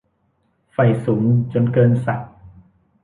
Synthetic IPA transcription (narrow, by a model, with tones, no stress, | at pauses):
fa˨˩jsuː˩˦ŋt͡ɕo˧nkɤː˧nsa˨˩k̚